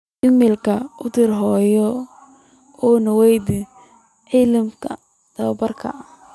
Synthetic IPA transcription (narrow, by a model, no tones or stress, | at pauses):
jɪmɪlkʰɐʊd̪ɪrɦɔːjɔ | ɔːnɐwɛjd̪ɪ | ʕilɪmkʰɐ | d̪̥ɐbɐrkʰɐ̰